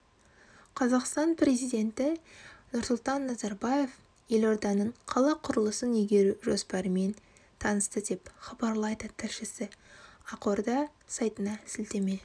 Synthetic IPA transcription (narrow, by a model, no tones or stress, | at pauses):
qʰɑzɑqst̪ɑnpre̞zijd̪e̞nt̪ɪnʊɾsʊlˠt̪ɑnːɑzɑɾbɑje̞f | je̞lo̞ɾd̪ɑnəɴqʰɑlˠɑqʰʊɾəlˠəsənʏjɡʲe̞ɾuʒo̞spɑɾəme̞n | t̪ʰɑnəst̪əd̪e̞pχɑbɑɾlˠɑjd̪ət̪ʰɪɾʃɪsɪɑqo̞ɾd̪ɑsɑjt̪ənɑsɪlt̪e̞me̞